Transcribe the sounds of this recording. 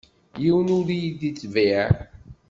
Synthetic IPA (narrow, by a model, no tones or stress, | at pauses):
jiwənuɾijid̪it͡sːvi